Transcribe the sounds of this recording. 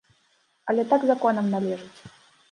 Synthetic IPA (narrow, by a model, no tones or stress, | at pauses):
ɐlʲɛt̪aɡzakɔnɐmnalʲɛʐɨt͡sʲ